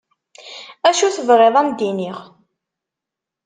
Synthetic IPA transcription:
æʃuθəvʁeðˤæmd̪iniʁ

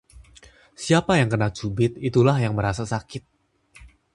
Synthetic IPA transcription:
siapajaŋkənak̚d͡ʒ̥ubɪt̪̚it̪ulahjaŋməɾasasakɪt̪̚

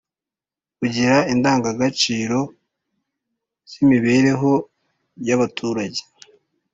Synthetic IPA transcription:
uɟiɾaindaːŋɡaɡat͡ʃiːɾo̞ | z̥imiβe̞ɾe̞ɦo̞ | jaβatʰuːɾaɟe̥

